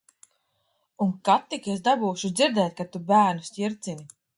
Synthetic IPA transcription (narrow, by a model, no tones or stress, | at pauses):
uŋkat̪ːikesd̪abuːʃud̪ziɾd̪ɛːt̪̚ʲkat̪ubæːɾnusʲcʲiɾt̪sini